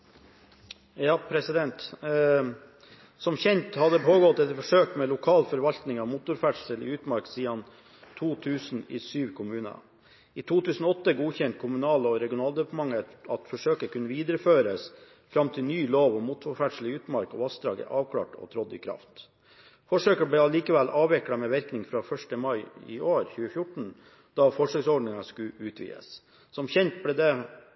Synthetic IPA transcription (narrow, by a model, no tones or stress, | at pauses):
jɑːpʰɾɛsɪd̪ɛnt̪ | sɔmçɛnt̪hɑd̪əpʰoːɡɔt̪ːɛt̪ːfɔʂøːkmɛlʊkʰɑːlfɔɾʋɑlt̪nɪŋɑʋmuːt̪ʊɾfæʈʂəlɪ̰ʉːt̪mɑɾksiːɑn | t̪ʰuːt̪ʰʉːsn̩ḭsyːʋkʰʊmʉːnə̰ | iːt̪ʰuːt̪ʰʉːsn̩ɔɔt̪ːəɡuːçɛnt̪̚kʰʊmʉnɑːlɔɾɛɡɪʊnɑːld̪ɛpɳmɑŋːət̪ɑt̪fɔʂøːkəkʰʉnːəʋiːd̪əɾəføːɾəs | fɾɑmt̪ʰɪlnyːloːʋɔmuːt̪fɔɾfæʈʂɭ̩ɪʉːt̪mɑɾkɔʋɑsd̪ɾɑ̰ːɡə̰ʔɑːʋkʰlɑ̰ːʈɔ̰t̪ʰɾɔd̪ɪ̰kʰɾɑ̰ft̪ | fɔʂøːkəbɽɛːɑliːkəʋɛlʔɑːʋɛkɽɑmɛːʋɪɾknɪŋfɾɑfœʂʈəmɑɪɪ̰oːɾçʉːəfjʊʈɳ̩ | d̪̥ɑːfɔʂəksɔɖnɪŋɑskʉʉːt̪ʰʋḭːə̰s | sɔmçɛnt̪̚blɛːd̪ɛ